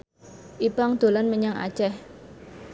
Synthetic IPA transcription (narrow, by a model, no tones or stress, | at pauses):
ʔipaŋd̪̥o̤lanməɲaŋa̰̥t͡ʃɛh